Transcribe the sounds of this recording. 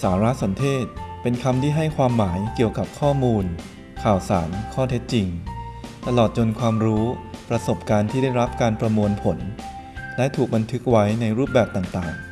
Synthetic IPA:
saː˩˦ɾa˦˥so˩˦nt̪ʰeː˥˩t̪̚pe˧nkʰa˧mt̪ʰiː˥˩ɦa˥˩jkʰwaː˧mːaː˩˦jki˨˩əwka˨˩p̚kʰɔː˥˩muː˧n | kʰaː˨˩wsa̰ː˩˦nkʰɔː˥˩t̪ʰe˦˥t̪̚t͡ɕi˧ŋt̪a˧lɔː˨˩t̪̚t͡ɕo˧nkʰwaː˧mɾuː˦˥pɾa˧so˨˩p̚kaː˧nt̪ʰiː˥˩da˥˩jɾa˦˥p̚kaː˧npɾa˧mu˧ənpʰo˩˦n | lɛ˦˥t̪ʰuː˨˩k̚ba˧nt̪ʰɯ˦˥k̚wa˦˥jna˧jɾuː˥˩p̚bɛː˨˩p̚t̪aː˨˩ŋt̪aː˨˩ŋ

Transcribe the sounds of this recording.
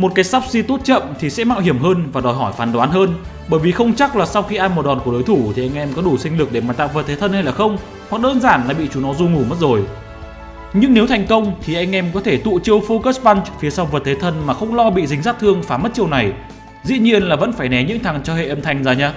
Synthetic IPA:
mo˨˩t̚kaː˨˦jsaː˦˥p̚si˧t̪o˦˥t̚t͡ɕə̰˧˨mt̪ʰi˨˩sɛ̰˧˥ma̰ː˧˨whi˧˩əmɦəː˧nvaː˨˩ɗɔ˨˩jɦɔ˧˩jfaː˨˩nɗwaː˨˦nɦəː˧n | ɓəː˧˩jvi˨˩xə˧wŋ͡mt͡ɕa˦˥k̚laː˨˩sa˧wxi˧ʔaː˧jmo˨˩ɗɔ˨˩nku˧˩ɗo˨˦jt̪ʰu˧˩t̪ʰi˨˩ʔa˧jŋʔɛ˧mkɔ˨˦ɗu˧˩sï˧ŋ̟lɨ˨˩k̚ɗe˧˩maː˨˩t̪a̰ː˧˨wvəː˨˩t̪̚ʰe˨˦t̪ʰə˧nha˧jlaː˨˩xə˧wŋ͡m | hwa˨˩k̚ɗəː˧nzaː˧˩nlaː˨˩ɓḭ˧˨t͡ɕu˨˦nɔ˨˦zu˧ŋu˧˩mə˦˥t̚zo˨˩j | ɲɨ˧ŋne˨˦wt̪ʰa˨˩jŋ̟kə˧wŋ͡mt̪ʰi˨˩ʔa˧jŋ̟ʔɛ˧mkɔ˨˦t̪ʰe˧˩t̪ṵ˧˨t͡ɕəwfo˧kə˦˥sɓa˧nt͡ɕk̚fi˨˦əsa˧wvəː˨˩t̪̚ʰe˨˦t̪ʰə˧nmaː˨˩xə˧wŋ͡mlɔ˧ɓḭ˧˨zï˨˦ŋ̟zaː˦˥t̚t̪ʰɨ˧əŋfaː˨˦mə˦˥t̚t͡ɕi˧əwna˨˩j | zḭ˧˥ɲi˧ənlaː˨˩və̰˧˥nfaː˧˩jnɛ˨˦ɲɨ̰˧˥ŋt̪ʰa˨˩ŋt͡ɕɔ˧hḛ˧˨ʔə˧mt̪ʰa˨˩jŋ̟zaː˨˩ɲaː˧

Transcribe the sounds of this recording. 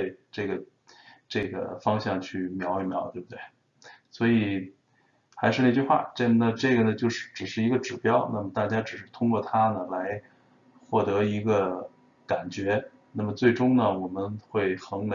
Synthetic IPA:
e˥˧ʈ͡ʂɤ˥˩ɡə˩ | ʈ͡ʂɤ˥˩ɡə̰˩fɑ˥ŋɕjɑ˥˧ŋt͡ɕʰy˥˩mjɑ˧˥ʊi˧˥˩mjɑ˧˥ʊt̪we˥˩bu˩t̪we˥˩ɪ | swɔ˧˥i˨˩ | xa˧˥ɪʂɻ̩˥˧na˥˧t͡ɕy˥˧xwa̰˥˩ʈ͡ʂə˥˩nə˥˧ʈ͡ʂɤ˥˩ɡə˩nə˩t͡ɕjo˥˧ʊʂɻ̩˥˩ʈ͡ʂɻ̩˨˩ʂɻ̩˥˩i˧˥ɡə˧ʈ͡ʂɻ̩˨˩pjɑ˥ʊna˥˩mə˩t̪a˥˩t͡ɕja˥ʈ͡ʂɻ̩˨˩ʂɻ̩˥˩t̪ʰʊ˥ŋkwɔ˥˩t̪ʰa˥nə˨la˧˥ɪ | xwɔ˥˩t̪ɤ˧˥i˧˥ɡə˧ | ka˨˩nt͡ɕɥɛ˧˥ | na˥˩mə˩t͡swe˥˩ɪʈ͡ʂʊ˥ŋnə˨wɔ˨˩mə˦nxwe˥˩ɪxɤ˧˥ŋlə˧

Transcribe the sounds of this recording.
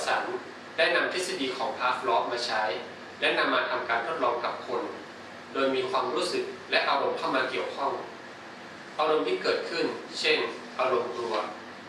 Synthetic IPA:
sa˩˦n | la˦˥˩jna˧mt̪ʰe˦˥t̚sa˧diː˧kʰɔː˩˦ŋpʰaː˦˥k̚lɔː˦˥p̚maː˧t͡ɕʰa˦˥j | lɛ˦˥na˧mːaː˧t̪ʰa˧mkaː˧nɾʰu˦˥˩t̪̚lɔː˧ŋka˨˩p̚kʰo˧n | doː˧jmiː˧kʰwaː˧mɾuː˦˥˩sɯ˨˩k̚lɛ˦˥ʔa˧ɾo˧mkʰa˥˩wmaː˧ki˨˩əwkʰɔ˥˩ŋ | ʔaː˧ɾo˧mt̪ʰiː˥˩kɤː˨˩t̪̚kʰɯ˥˩nt͡ɕʰe˥˩n | ʔaː˧ɾo˧mkɾu˧˩ət̪̚

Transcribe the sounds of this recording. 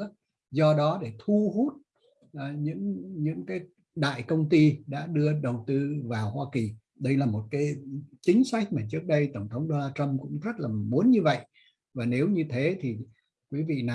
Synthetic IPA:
zɔ˧ɗɔ˨˦ɗe˧˩t̪ʰu˧ɦu˦˥t̚ | ʔɲɨ̰˧˥ŋɲɨ̰˧˥ŋkaː˨˦j | ɗa̰ː˧˨jkə˧wŋ͡mt̪i˧ɗa̰ː˧˥ɗɨ˧əɗə˨˩wt̪ɨ˧vaː˨˩whwaː˧ki˨˩ | ɗə˧jlaː˨˩mo˨˩t̚kaː˨˦jt͡ɕï˨˦ŋ̟sa˦˥jk̟̚maː˨˩t͡ɕɨ˦˥ək̚ɗə˧jt̪ə˧˩wŋ͡mt̪ʰə˨˦wŋ͡mɗo˧naː˧t͡ɕə˧mkʊ̰˧˥ŋ͡mzə˦˥t̚laː˨˩mu˨˦ənɲɨ˧və̰˧˨jʔ | vaː˨˩ne˨˦wɲɨ˧t̪ʰe˨˦t̪ʰi˨˩ | kwi˨˦vḭ˧˨na˨˩

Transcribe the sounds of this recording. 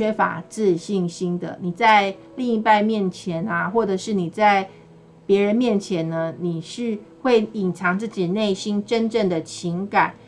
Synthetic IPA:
ɛ˥fa̰˨˩t͡sɹ̩˥˧ɕi˥˩ŋɕi˥nd̪ə̰˨ni˨˩t͡sa˥˧ɪ | li˥˧ŋi˥pa˥˧ɪmjɛ˥˨˩nt͡ɕʰjɛ˧˥na˨xwɔ˥˩ʈ͡ʂə˨˩ʂɻ̩˥˩ni˨˩t͡sa˥˩ɪ | pjɛ˧˥ɻə˧˦nmjɛ˥˨nt͡ɕʰjɛ˧˦nːə˧ni˨˩ʂɻ̩˥˧xwe˥˩ɪi˨˩nt͡sʰɑ˧˥ŋt͡sɹ̩˥˩t͡ɕi˨˩ne˥˩ɪɕi˦nʈ͡ʂə˦˥nʈ͡ʂə˥˩ŋd̪ə˩t͡ɕʰi˧˦˥ŋka˨˩˦n

